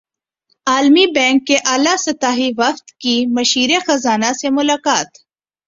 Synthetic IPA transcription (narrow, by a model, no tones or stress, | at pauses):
aːlmibɛ̃ːŋkːeʔaːlasɐt̪aːɦiʋɐft̪kimɐʃiːɾexɐzaːnasemʊlaːkaːt̪